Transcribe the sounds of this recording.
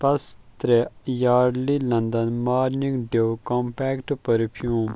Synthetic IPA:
pɐst̪ɾejaːɾlilɐnd̪ɐnmaːɾniŋɡɖekompɛːkʈpɐɾpʰjuːm

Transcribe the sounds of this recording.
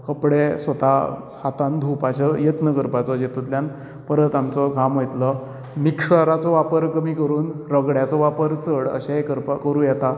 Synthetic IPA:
kəpɽesʋət̪a | hat̪ãnd̪ʱupat͡ɕəjət̪nəkəɾpat͡sɔd͡ʑet̪ut̪ljan | pəɾət̪amt͡sɔɡʱamɦojt̪lə | mikʂaɾat͡sɔʋapəɾkəmiːkəɾuːnɾəɡɽjat͡sɔʋapəɾt͡səɽə̰ɕaekəɾpakəɾuːjɛt̪a

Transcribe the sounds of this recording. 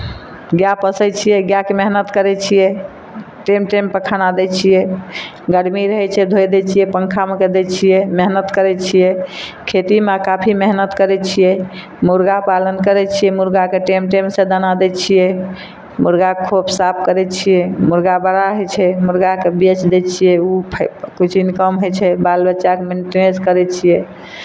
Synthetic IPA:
ɡjapəsət͡ʃʰijɛɡjakemeɦnət̪kəɾɛt͡ʃʰijɛ | ʈemʈempəkʰənad̪ɛt͡ʃʰijɛ | ɡəɽmiɾəɦɛt͡ʃʰɛd̪ʱojd̪ɛt͡ʃʰijɛpəŋkʰameked̪ɛt͡ʃʰijɛmeɦnət̪kəɾɛt͡ʃʰijɛkʰet̪imakapʰimeɦnət̪kəɾɛt͡ʃʰijɛ | muɾɡapalənkəɾɛt͡ʃʰijɛmuɾɡakeʈemʈemsẽd̪ənad̪ɛt͡ʃʰijɛ | muɾɡakʰopsapʰkəɾɛt͡ʃʰijɛmuɾɡabəɽaɦojt͡ʃʰɛmuɾɡakebet͡ʃd̪et͡ʃʰijɛupʰkut͡ʃʰinkəmɦot͡ʃʰɛbalbəːt͡ʃakemenʈieskəɾɛt͡ʃʰijɛ

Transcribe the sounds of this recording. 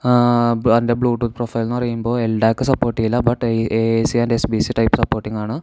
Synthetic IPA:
bɐndebɭuːʈːuːt̪profɐjlnɐrijːumbo̞ːelɖaːkːɨsɐpːoːrʈːiŋilːɐbɐʈːesiɐndesbisiʈɐjpsɐpːoːrʈːiŋɡaːɳɨ

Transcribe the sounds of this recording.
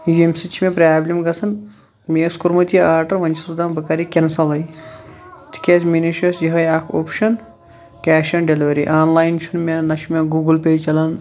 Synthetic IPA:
juemsit͡ʃʰimʲẽpɾʲaːblʲimɡɐsʰɐn | meːskuɾmɐt̪ijiaːɾʈɐɾʋɐnʲt͡ʃʰisud̪aːmbɐkaɾikʲensɐlɐj | t̪ʰi̥kʲeːsminiʃɐːsjiɦɐjaːkʰoːpʃɐn | kʲaːʃɐnɖeliʋɐɾiʔaːnlaːjnt͡ʃʰunmʲenɐʃʰmʲeːɡuːɡulpʲeːjt͡ʃɐlɐn

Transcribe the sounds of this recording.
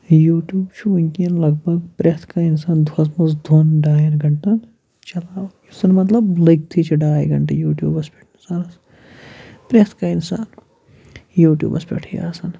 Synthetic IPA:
juːʈjuːbt͡ʃʰuunʲkiɐnlɐɡ̚bʱɐɡpɾʲet̪ʰkainsaːnd̪ʱwɐsmɐsd̪ʱonɖaːjɐɾɡʱɐɳʈɐn | t͡ʃɐlaːwusɐnmɐt̪lɐbliɡ̚t̪ʰit͡ʃʰiɖaːjɡɐɳʈejuːʈjṵːbɐspeʈʰnisaɾɐs | pɾet̪ʰkainsaːn | juːʈjṵːbɐspʲḛʈʰija̰ːsɐn

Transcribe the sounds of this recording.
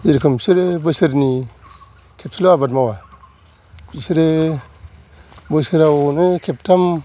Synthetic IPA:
iɾkʰɯmsiɾebɯsɯɾni | kʰep̚sʰiloabatmawa | isiɾe | bəsɯɾawnɯkʰep̚tʰam

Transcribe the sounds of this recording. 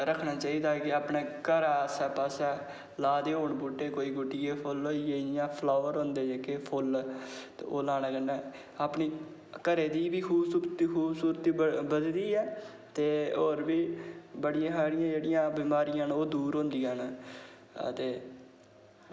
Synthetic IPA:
ɾəkʰːnaːt͡ʃaːiːd̪aːkɪaːpɳeːkəɾaːəsɛːpaːsɛː | laːd̪eːoːɳbuːʈːeːkoːiːɡʊʈːɪjeːpʰʊloːeːɪjãːpʰloːəɾõːnd̪eːd͡ʒeːkepʰʊlt̪eːoːlaːnãːkənːɛː | aːpɳiː | kəɾeːd̪iːbiːkʰuːbsuːɾt̪iːkʰuːbsuːɾət̪iːbəd̪d̪iːɛː | t̪eːoːɾbiːbəɽɪjãːɦaːɽɪjãːd͡ʒeːɽɪjãːbiːmaːɾɪjãːnoːd̪uːɾɦõːnd̪ijan | ə̰t̪eː

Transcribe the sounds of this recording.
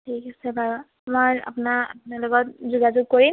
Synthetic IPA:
tʰikasɛbʱaɹɔ | moja̰punaa̰punalʊɡɔt̚zuɡazʊɡ̚koɹim

